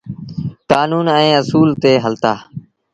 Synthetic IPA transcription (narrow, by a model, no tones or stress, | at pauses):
kaːnuːnɛ̃ːəsuːlt̪eːɦəlt̪aː